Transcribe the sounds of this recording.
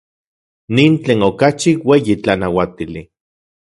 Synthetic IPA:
niːnt͡ɬeːnokat͡ʃiweːjit͡ɬanawat̪ili

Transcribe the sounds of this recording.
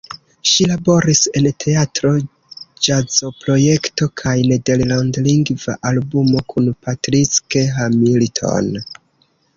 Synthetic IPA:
ʃilabo̞ɾise̞ntʰe̞atɾo̞ | d͡ʒazo̞pɾo̞je̞kto̞kʰajne̞de̞llandliŋɡva̰ʔalbumo̞kʰunpatɾit͡ske̞ɦamiltʰo̞̰n

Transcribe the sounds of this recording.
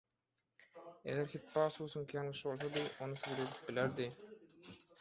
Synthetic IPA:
ḛɡeɾkʰit̪pːɑːsuːsuŋkijɑnlˠɯʃɯbo̞lˠs̬od̪ɯʔonusiɡɾed̪i̥p̚bilæɾd̪i

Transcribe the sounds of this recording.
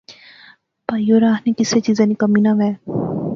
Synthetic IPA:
pajoɾaːɦnikɪset͡ʃiːzanikɐminaʋɛː

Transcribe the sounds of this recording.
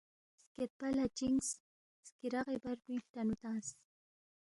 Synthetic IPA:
sket̪̚palat͡ʃiŋs | skiɾɑɢebaɾpit̪anut̪as

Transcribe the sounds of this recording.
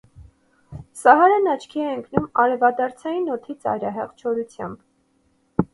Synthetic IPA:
sɑɦɑɾɛnɑt͡ʃʰkʰiɛəŋkʰnumɑɾɛvɑd̪ɑɾt͡sʰɑjinɔt̪ʰit͡sɑ̰jɾɑɦɛ̰ʁt͡ʃʰɔɾut͡sʰjɑ̰mb

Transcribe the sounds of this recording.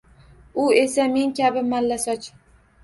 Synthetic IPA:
ʊe̞same̞ŋkʲʰabɪmalːasɒt͡ʃ

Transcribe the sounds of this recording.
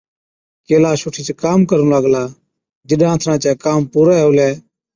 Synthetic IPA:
keːlaːsʊʈʰiːt͡ʃkaːmkəɾnːləɡlaː | d͡ʒɪɗãːt̪ʰɾãːt͡ʃɛːkaːmpuːɾaːɦʊːlɛː

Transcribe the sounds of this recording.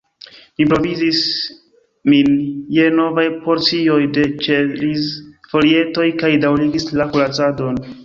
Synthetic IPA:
mipɾo̞vizis | minje̞no̞vajpo̞ɾt͡sio̞jde̞t͡ʃeɾisfo̞ɾie̞to̞jkajdawliɡislakulat͡sadon

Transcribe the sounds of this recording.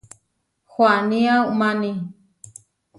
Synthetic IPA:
xwaniaumani

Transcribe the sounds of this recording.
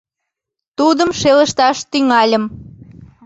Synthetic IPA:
t̪ud̪əmʃeləʃt̪ɑʃt̪yŋɑlʲəm

